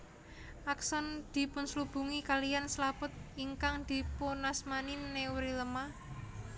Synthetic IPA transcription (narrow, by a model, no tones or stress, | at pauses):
ʔaksɔnd̪̥i̤pʊnslub̥ṳŋikalijanslapʊt̪̚iŋkaŋd̪̥i̤ponasmaninːewɾiləma